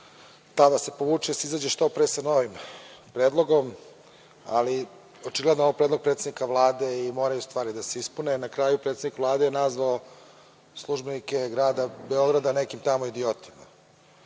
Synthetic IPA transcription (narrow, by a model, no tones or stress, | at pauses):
t̪ad̪ase̞poʋuːt͡ʃuseizaːd͡ʑeʃt̪opɾesano̞ʋimpɾeːd̪lˠo̞ɡo̞m | a̰li | ot͡ʃiɡle̞d̪nooapɾed̪lo̞ɡ̚pɾet̪ed̪nikaʋlˠaːd̪e̞imo̞ːɾajust̪ʋaːɾid̪ase̞ispunenakɾaːjupɾet̪ed̪nikʋlˠaːd̪ejenazʋao | slˠuʒbenike̞ɡɾaːd̪abe̞o̞ɡɾad̪ane̞kimt̪amoid̪iot̪i̥ma